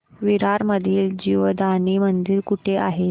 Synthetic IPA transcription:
ʋiɾaɾməd̪ʱiːld͡ʑiʋəd̪aniːmənd̪iɾkuʈʰeʔa̰ɦe

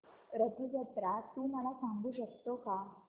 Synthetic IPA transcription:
ɾət̪ʰəd͡ʑət̪ɾat̪uːməlasaŋɡuːɕəkt̪oka

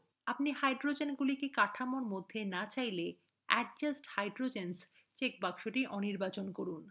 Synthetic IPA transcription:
apnihajɖɾod͡ʑenɡulikekaʈʰamoɾmod̪ʱːenat͡ɕajle | ɛ̰ʈ̚d͡ʑasʈhajɖɾod͡ʑens | t͡ɕek̚bakʃoʈiʔɔniɾbat͡ɕonkoɾun

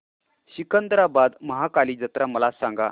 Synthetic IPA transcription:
ɕikənd̪ɾabad̪məɦakaliːd͡zət̪ɾaməlasãŋɡa̰

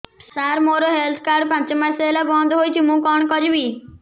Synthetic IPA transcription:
saɾmoɾoɦelt̪ʰkaɾɖpãnt͡ʃmaselabɔ̃nd̪ɦoːjt͡ʃʰimũːkɔɳ̃kɔd͡ʒbiː

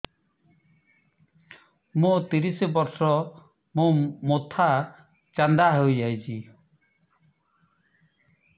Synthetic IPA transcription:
mũt̪iɾisibɔɾsɔ | mũmot̪ʰa | t͡ʃand̪aɦujajt͡ʃʰi

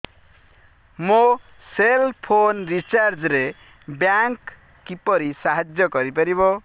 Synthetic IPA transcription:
mo | selpʰonɾit͡ʃaɾd͡ʒɾe | bjaŋkː | ipʌɾisaɦad͡ʒjʌkʌɾipʌɾibo

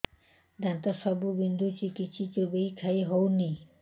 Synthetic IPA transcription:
d̪ant̪aʃɔbubind̪ʱut͡ɕikit̪ʃʰit͡ɕobejkʰajɦɔwni

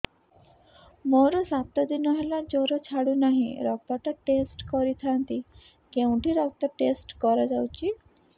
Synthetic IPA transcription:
mɔɾusat̪əd̪inɔɦɛlad͡ʑoɾɔt͡ɕʰaɽunaɦḭ̃ɾɔpat̪aʈesʈkɔɾit̪ʰant̪i | kẽwɳʈiɾɔk̚t̪aʈesʈkɔɾad͡zawt͡ɕi

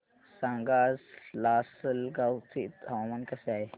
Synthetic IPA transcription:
sãŋɡazlasəlɡawt͡sḭt̪ɦaʋamankəseaɦe

